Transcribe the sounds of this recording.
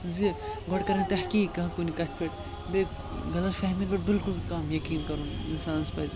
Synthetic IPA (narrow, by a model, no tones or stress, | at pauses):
ziɡɐɽkɐɾɐ̃nt̪ɐhkikːɐɦkunikɐt̪ʰpeʈ | be | ɡɐlɐt̪fʰeɦmilibeʈ̚bilkulkɐmjɐkiːnkɐɾunḭnsaːnspɐz